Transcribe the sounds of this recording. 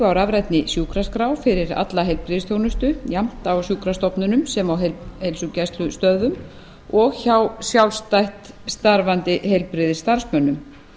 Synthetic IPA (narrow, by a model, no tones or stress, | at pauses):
vawɾavɾɛjt̪nɪsjuːkɾaskɾawfɪɾɪɾa̰t̪laɦejlpɾɪðɪst̪ʰjownʏst̪ʏjam̥t̪awsjuːkɾast̪ɔpnʏnʏmsɛmawɦelhejlsʏcajst̪lʏst̪œððʏm | ɔɣçawsjawlst̪ajht̪ | st̪aɾvant̪ɪɦejlpɾɪðɪst̪aɾ̥smœnːʏm